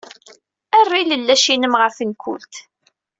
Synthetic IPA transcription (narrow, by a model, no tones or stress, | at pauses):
ærːiləlːæʃinəmʁəfənkʷʊ̰lt̪